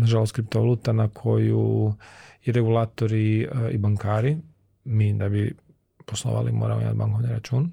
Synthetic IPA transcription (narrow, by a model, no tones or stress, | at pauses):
naʒalo̞st̪kɾip̚t̪oʋalˠuːt̪anakʰo̞ju | jiɾeɡulaːt̪o̞ɾiibaŋkaːɾi | mid̪abi | poslˠo̰ʋa̰limoːɾamoḭma̰t̪̚ba̰ŋkoʋniɾat͡ʃuːn